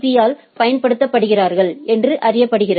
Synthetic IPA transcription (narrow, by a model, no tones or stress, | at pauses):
ðɪjaːl | pɐjɐnpɐɽɯt̪ːɐpːɐɽɯɣɪraːɾɣɐɭʔɛndrɯʔɐɾɪjɐpːɐɽɯɣɪrɐ